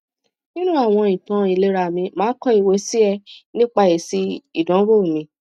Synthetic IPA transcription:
nĩ˦nũ˦a˦˨w̃ɔ̃˧ĩ˨tã˨˦i˨le˦ɾa˧˨mĩ˧mãː˨˦kɔ˦i˦˨we˨˦si˦ɛ˧nĩ˦k͡pa˧e˨si˧i˨dɔ̃˨˦ɾo˦˨mĩ˧

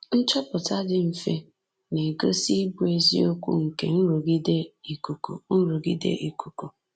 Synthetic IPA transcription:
n̩˦t͡ʃɔ˦pʊ˨ta˦d͡ʒɪ˦m̩˨fe˦ | ne˨ɡo˦si˦bu˨e˨zḭ˦o˦kʷṵ˦ŋ̩˨kḛ˨n̩˦ɾu˨ɡi˦de˦i˨ku˨ko̰˨n̩˦ɾu˨ɡi˦dḛ˦ʔi˨ku˨ko˨

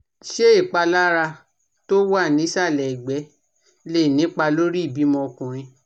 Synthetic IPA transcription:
ʃe˦i˦˨k͡pa˧la˦ɾa˧ | to˦wa˦˨nĩ˨˦sa˦˨lɛ˨ɡ͡bɛ˨˦ | le˦˨nĩ˨˦k͡pa˧lo˦ɾi˦˨bi˨˦mɔ̃˧kũ˨ɾ̃ĩ˧

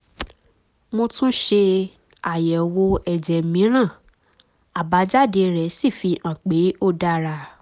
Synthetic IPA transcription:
mõ˧tũ˦ʃe˧ | a˨jɛ˨wo˧ɛ˨d͡ʒɛ˨mĩ˨˦ɾ̃ã˦˨ | a˨ba˨˦d͡ʒa˦˨de˧ɾɛ˨˦si˦˨fi˧ʔã˨k͡pe˨˦o˦˨da˧˦ɾa˧˨

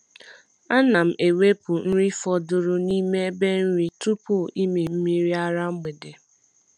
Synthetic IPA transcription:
a˦na˨m̩˨e˨we˦pʊ˨n̩˦ɾi˦fɔ˦dʊ˦ɾʊ˦ni˦me˦be˦n̩˦ɾi˦tu˦pu˦˨i˦mi˨m̩˦mi˦ɾi˦a˦ɾa˦ŋ͡m̩˦me˨de˨

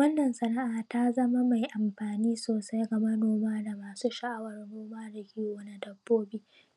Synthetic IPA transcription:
wɐ˦nːɐ˨nsɐ˨na˦ʔaː˨ta˦zɐ˦ma˦ma˨jʔa˨mɸaː˨niː˦soː˨sa˦jɡɐ˨mɐ˦noː˨maː˦da˨maː˨suː˦ʃa˨ʔa˦wɐ˨rnoː˦maː˦da˨kʲiː˦o˨˦na˦dɐ˨bːoː˦biː˦

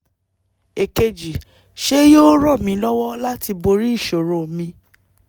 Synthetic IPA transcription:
e˨ke˧d͡ʒi˨ | ʃe˦joː˦ɾɔ˦˨mĩ˧˦lɔ˦wɔ˦la˦ti˧bo˧ɾi˦i˦˨ʃo˨ɾõ˨mĩ˧

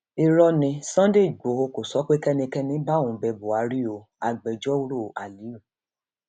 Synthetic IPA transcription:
i˧ɾɔ˦nĩ˧sã˦de˦˨ɡ͡bo˨˦o˧ko˨sɔ˨˦k͡pe˦kɛ˦nĩ˧kɛ˦nĩ˨˦ba˦˨ũ˨˦bɛ˧bo˨a˨˦ɾi˦o˨˧˨ | a˨ɡ͡bɛ˨d͡ʒɔ˦u˦ɾo˦˨ʔa˨li˨˦u˦˨

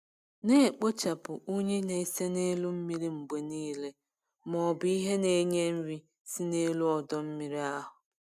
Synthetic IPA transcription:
ne˦˨k͡po˦t͡ʃa˨pʊ˨ʔo˦ɲe˦ne˨i˦se˦ne˦lu˦m̩˦mi˦ɾi˦ŋ͡m̩˨ɡ͡be˨niː˦le˦ | mɔ˨bi˦ɦe˦ne˨˦ɲe˦m̩˦ɾi˦ | si˦ne˦lu˦ɔ˨dɔ˦m̩˦mi˦ɾi˦a˦ɦʊ˨

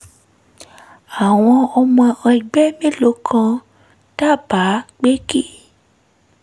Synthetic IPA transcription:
a˨w̃ɔ̃˧ɔ˧mɔ̃˧ã˧i˨ɡ͡bɛ˦mĩ˦lo˨˦kʰã˧ | ta˦˨ba˨˦k͡pe˦ki˦˨

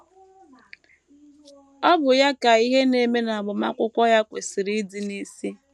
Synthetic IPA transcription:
ɔ˦bʊ˨ja˦ka˨i˦ɦe˦ne˨˦me˦na˨a˨bʊ˨ma˦kʷʊ˦kʷɔ˦ja˦kʷe˨si˨ɾi˦di˨ni˦si˦

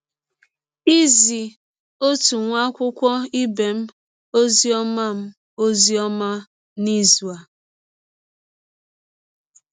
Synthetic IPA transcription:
i˦zi˨ | o˦tu˨ŋʷa˦kʷʊ˦kʷɔ˦i˦be˨m̩˦ | o˦zi˦ɔ˦ma˦m̩˦ | o˦zi˦ɔ˦ma˦ | ni˦zu˨a˨

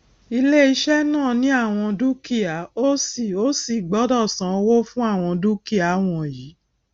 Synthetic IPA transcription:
i˧le˦i˧ʃɛ˦nãː˦˨nĩ˦a˦˨w̃ɔ̃˧du˦ki˦˨a˨˦o˦si˦˨o˦si˦˨ɡ͡bɔ˨˦dɔ˦˨sã˨˧wo˦fũ˦a˦˨w̃ɔ̃˧du˦ki˦a˨˦w̃ɔ̃˧˨ji˨˦

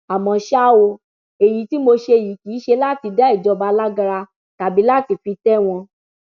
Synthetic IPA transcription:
a˨mɔ̃˧˨ʃa˦˨wo˧ | e˨jĩ˨˦ti˦mo˧ʃe˧˨ji˨˦kiː˨˦ʃe˧la˦ti˧da˦i˦˨d͡ʒɔ˨˧ba˧la˦ɡa˧ɾa˧ | ta˨bi˨˦la˦ti˧fi˧tɛ˦w̃ɔ̃˧

